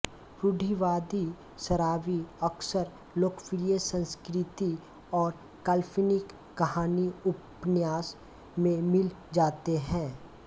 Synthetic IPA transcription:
ɾʊɖʱiʋaːd̪i | səɾaːʋiəksəɾ | loːkfɾijəsə̃nskɾɪt̪i | ɔːɾ | kaːlfʰinɪkːɐɦaːniʊpnjaːs | mẽmɪl | d͡ʒaːt̪eɦɛ̃ː

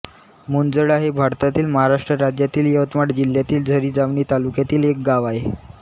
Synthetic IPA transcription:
mund͡zəɭaɦebʱaɾt̪at̪iːlməɦaɾaʂʈɾəɾad͡ʑjat̪iːljəʋət̪maʈd͡ʑil̤ːjat̪iːld͡zʱəɾiːd͡zaʋɳiːt̪alukjat̪iːlek̚ɡaʋae

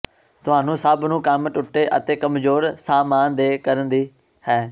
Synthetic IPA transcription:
t̪ʊaːnũːsəbnũːkəmʈʊʈːeːʔə̰t̪eːkəmzoːɾsaːmaːnd̪eːkəɾənd̪iː | hɛː

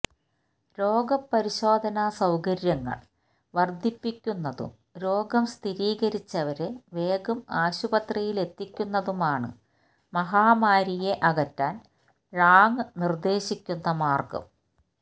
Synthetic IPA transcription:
ɾo̞ːɡɐpːɐɾiɕo̞ːd̪ʱɐnaːsɐwkɐɾjɐŋːɐ̰ɭ | ʋɐrd̪ʱipːikʲːunːɐðṵm | ɾo̞ːɡɐmst̪ʰiɾiːɣɐɾit͡ɕːɐʋɐɾeʋe̞ːɡumaːɕubɐt̪rijile̞t̪ːikʲːunːɐðumaːɳɨ̰ | mɐɦaːmaːɾije̞ʔɐɣɐtːaːn | raːŋɨnird̪e̞ːɕikʲːunːɐmaːrkɐ̰m

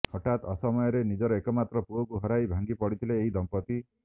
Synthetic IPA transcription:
hɔʈat̪ɔsɔmɔjɔɾenid͡ʒɔɾɔekɔmat̪ɾɔpuɔkuɦɔɾajbʱaŋɡipɔɽit̪ʰileːɦid̪ɔmpɔt̪i

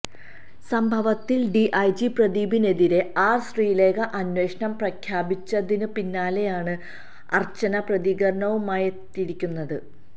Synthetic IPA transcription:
sɐmbʱɐʋɐt̪ːilɖiʔɐjd͡ʑiprɐðiːbine̞ðiɾe̞aːrsriːle̞ːɡɐʔɐnwe̞ːʂɐɳɐmprɐkʰjaːbit͡ɕːɐðinɨpinːaːle̞jaːɳɨ | ɐ̰rt͡ɕːɐnɐprɐðiɣɐɾɐɳɐʋumaːjet̪ːiɽikʲːunːɐðɨ

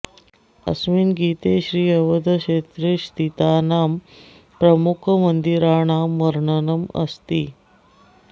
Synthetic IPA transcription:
ə̰sʋiːnɡiːt̪eɕɾiːəʋəd̪ʱəɕet̪ɾeɕt̪it̪anaːm | pɾəmukʰmənd̪iɾaɳ̃aːmʋəɾɳənəmə̰st̪iː

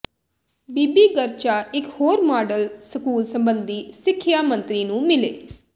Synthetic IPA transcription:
biːbiːɡəɾt͡ʃaːɪkhoːɾmaːɖəlsəkuːlsəmbənd̪iːsɪkʰːjaːmə̃nt̪ɾiːnũːmɪleː

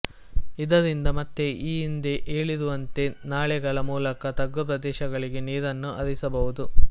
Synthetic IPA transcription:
id̪ɐɾind̪ɐmɐt̪ːe̞ʔiːind̪eʔeːɭiɾuʋɐnt̪e̞naːɭɛɡɐɭɐmuːlɐkɐt̪ɐɡːupɾɐd̪ɛːʃɐɡɐɭiɡe̞niːdɐnːuʔɐɾisɐbɐʋud̪u

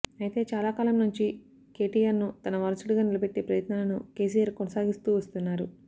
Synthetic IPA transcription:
ɐjit̪e̞ːt͡ʃaːlaːkaːlɐmnuɲt͡ʃi | ke̞ːʈijaːɾnut̪ɐnɐʋɐɾɐsuɽiɡaːnilɐbe̞ʈːeːpɾɐjɐt̪naːlɐnuke̞ːs̬ijaːɾkonɐsaːɡist̪uːʋɐst̪unːaːɾu

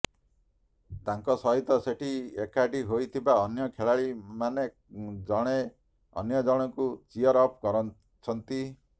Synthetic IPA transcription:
t̪aŋkɔsɔɦit̪ɔseʈʰiekaɖiɦojt̪ʰibaɔnjɔkʰeɭaɭimane | d͡ʒɔɽ̃e | ɔ̰njɔd͡ʒɔɽ̃ɔkut͡ʃiɔɾɔp̚ʰkɔɾɔ | t͡ʃʰɔnt̪i

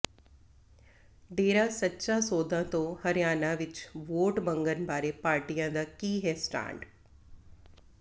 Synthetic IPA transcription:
ɖeːɾaːsətːʃaːsoːd̪ãːt̪õhəɾɪjaːnãːʋɪt͡ʃʋoːʈbə̃ŋɡənbaːɾeːpaːɾʈijãːd̪aːkiːɦɛːsʈã̰ːɳɖ

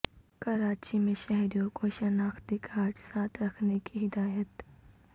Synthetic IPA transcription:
kɐɾaːt͡ʃimẽʃɛɦɾijõkoʃɐnaːxt̪ɪkʰaːʈsaːt̪ʰɾɐkʰnekiɦɪd̪aːjət̪

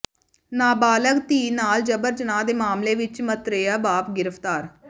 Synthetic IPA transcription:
naːbaːləkt̪iːnaːld͡ʒəbəɾd͡ʒənaːd̪eːmaːmleːʋɪt͡ʃmət̪ɾeːjaːbaːpɡɪɾəpʰt̪aːɾ

